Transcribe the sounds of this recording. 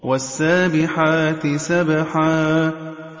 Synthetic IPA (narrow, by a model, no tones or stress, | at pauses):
wasːaːbɪħaːt̪ɪsabaħaː